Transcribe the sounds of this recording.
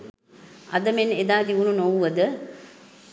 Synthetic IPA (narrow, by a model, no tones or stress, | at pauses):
ɐd̪ɐmened̪aːd̪iʋununoʋuʋɐd̪ɨ